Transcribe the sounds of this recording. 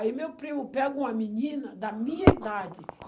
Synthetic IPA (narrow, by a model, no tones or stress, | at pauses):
imewpɾimʊpɛɡũmɐmiɲĩnɐd̪ɐmĩɲɐid̪ad͡ʒɪ